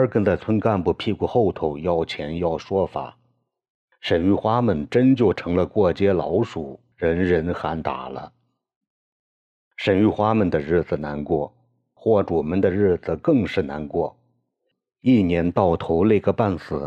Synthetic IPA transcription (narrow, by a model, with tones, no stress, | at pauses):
ə˞˧˥kə˥nd̪ə˥˧t͡sʰwə˥nka˥˧npu˥˩pʰi˥˧ku˧˩xo˥˩ʊt̪ʰo˧˩ʊjɑ˥˩ʊt͡ɕʰjɛ˧˥njɑ˥˩ʊʂwɔ˥fa̰˨˩˦ | ʂə˨˩ny˥˩xwa˥mə˨˩nʈ͡ʂə˥nt͡ɕjo˥˩ʊʈ͡ʂʰɤ˧˥ŋlə˧kwɔ˥˩t͡ɕjɛ˥lɑ˧˥ʊʂu˨˩˦ | ɻə˧˥nɻə˧˥nxa˧˥nt̪a̰˨˩lə̰˦ | ʂə˨˩ny˥˩xwa˥mə˨nd̪ə˩ɻɻ̩˥˩d͡zɹ̩˩na˧˥nkwɔ˥˩ | xwɔ˥˩ʈ͡ʂu˨˩mə˧˥nd̪ə˧ɻɻ̩˥˩d͡zɹ̩˨˩kɤ˥˧ŋʂɻ̩˥˩na˧˥nkwɔ˥˩ | i˥˩njɛ˧˥nt̪ɑ˥˩ʊt̪ʰo˧˥ʊle˥˧˩ɡə˧pa˥˩nsɹ̩˨˩˦